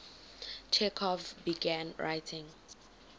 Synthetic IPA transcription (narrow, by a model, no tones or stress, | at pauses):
t͡ʃʰɛkʰɔvbiɡãnɹa̰jtʰĩŋ